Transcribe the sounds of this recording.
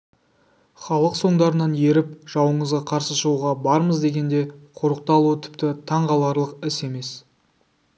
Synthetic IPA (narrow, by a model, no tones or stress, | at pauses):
χɑlˠəqso̞ɴd̪ɑɾənɑnje̞ɾɪpʒ̥ɑwəɴəzʁɑqʰɑɾsəʃəʁuʁɑbɑɾməzd̪e̞ɡʲe̞nd̪e̞qʰoɾəq̚t̪ɑlˠuət̪ʰɪ̥p̚t̪ɪt̪ʰɑɴʁɑlˠɑɾlˠəqɪse̞me̞s